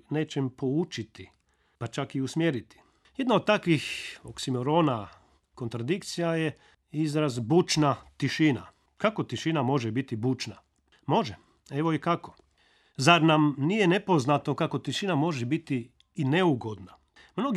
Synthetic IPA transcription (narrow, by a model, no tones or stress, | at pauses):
ne̞ːt͡ʃempo̞ut͡ʃit̪i | pat͡ʃakiusmjeɾit̪i̥ | jed̪naod̪t̪akʋixoksimoɾoːna | ko̞nt̪ɾad̪ikt̪sijaje | izɾazbut͡ʃnat̪iʃina̰ | kako̞t̪iʃinamo̞ʒebit̪ibut͡ʃna | mo̞ʒɛ | eʋo̞ikako̞ | zaɾnamnijenepo̞znat̪o̞kako̞t̪iʃinamo̞ʒɛbit̪iː | ne̞uɡo̞d̪na | mnoɡ